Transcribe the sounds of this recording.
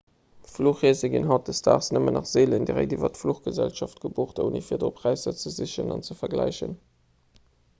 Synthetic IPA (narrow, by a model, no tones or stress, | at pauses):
fluːχizəɡinɦɑt̚dəstʰa̰ːʁsnəmənɑχz̥eːləndiʁḛɪdivɐtfluχɡ̥əzælʃɑft̚ɡ̥əboːχtonḭfiːɐdoːpʰʁ̥æɪsɐt͡səziɕənɑ̰nt͡səfɐɡlæɪʃə̰n